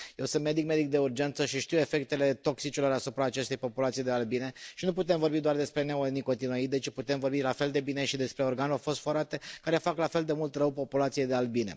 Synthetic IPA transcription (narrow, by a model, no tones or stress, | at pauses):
je̞wsɨnt̪me̞d̪ik̚me̞d̪ik̚d̪e̞urd͡ʒe̞nt̪səʃiʃt̪iwe̞fe̞k̚t̪e̞le̞t̪o̞ksit͡ʃilo̞ɾasupɾaːt͡ʃe̞st̪e̞jpo̞pulat̪sijd̪e̞albine̞ʃinuput̪e̞mvo̞rbid̪oard̪e̞spɾe̞neoniko̞nt̪inoit̪et͡ʃiput̪e̞mvo̞rbilafe̞ld̪e̞bine̞ʃid̪e̞spɾe̞o̞rɡanofo̞st̪fo̞ɾat̪e̞kaɾe̞faklafe̞ld̪e̞mult̪rəwpo̞pulat̪sijejd̪e̞albine̞̰